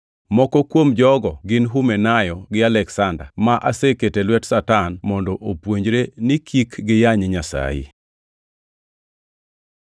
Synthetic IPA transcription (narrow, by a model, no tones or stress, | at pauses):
mɔkɔkwomd͡ʒɔɡɔɡɪnɦumɛnajɔɡɪalɛksanda̰maʔaseketelwɛtsatanmɔndɔʔopwoɲd͡ʒɾenikʰikɡɪjaɲeɲasa̰jɪ̰